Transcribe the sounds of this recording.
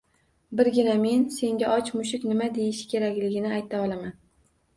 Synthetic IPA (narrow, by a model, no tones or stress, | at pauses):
bɪɾɡʲɪname̞nse̞ŋɡʲaʔɒt͡ʃmʊʃ̬ɪkʲnɪmad̪e̞jɪʃɪ̥kʲʰe̞ɾakʲlɪɡʲɪnɪajt̪ʰaɒlˠaman